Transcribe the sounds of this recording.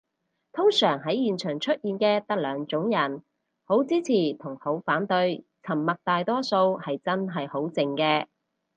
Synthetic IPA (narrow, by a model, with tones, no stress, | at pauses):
t̪ʰʊ˥ŋsœː˨˩ŋɦɐ˨˥jjiː˨nt͡ʃʰœː˨˩ŋt͡ʃʰɵ˥t̚jiː˨˧nkɛː˧t̪ɐ˥k̚lœː˨˧ŋt͡sʊ˨˥ŋjɐ˨˩n | ho˨˥wt͡siː˥t͡sʰiː˨˩t̪ʰʊ˨˩ŋho˨˥wfaː˨˥nt̪ɵ˧ɥt͡sʰɐ˨˩mːɐ˨k̚t̪aː˨jt̪ɔː˥so˧whɐ˨jt͡sɐ˥nɦɐ˨jho˨˥wt͡sɪ˨ŋkɛː˧